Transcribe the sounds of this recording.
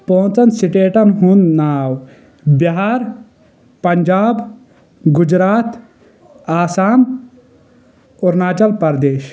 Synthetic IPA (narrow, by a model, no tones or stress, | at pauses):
põnt͡sɐnsiʈeːʈɐnɦũnnaːw | bjɐɦaːɾ | pɐɲʲd͡ʒaːb | ɡud͡ʒɾaːt̪ | aːsaːm | oɾnaːt͡ʃɐlpɐɾd̪eːʃ